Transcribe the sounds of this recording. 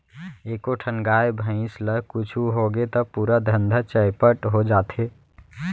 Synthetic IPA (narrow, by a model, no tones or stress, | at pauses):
eːkoʈʰənɡaːjbʱə̃ɪ̃sləɦkʊt͡ʃʰuɦoɡet̪əpuːɾad̪ʱə̃nd̪ʱat͡ʃəɪpəʈɦod͡ʒaːt̪ʰe